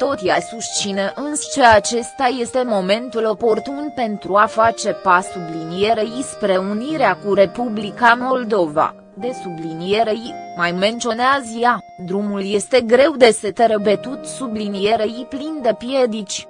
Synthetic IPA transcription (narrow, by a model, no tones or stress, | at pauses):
t̪o̞t̪jasust͡ʃineʔɨnst͡ʃeat͡ʃe̞st̪aje̞st̪e̞mo̞me̞nt̪ulo̞po̞rt̪unpe̞nt̪ɾuafat͡ʃe̞pasublinije̞ɾeispɾe̞uniɾeakuɾe̞publikamo̞ld̪o̞va̰ | d̪e̞sublinije̞ɾeimajme̞nt̪t͡ʃio̞neazja | d̪ɾumulje̞st̪e̞ɡɾe̞wd̪e̞se̞t̪eɾəbet̪ut̪sublinije̞ɾeiplind̪epije̞d̪it͡ʃʲ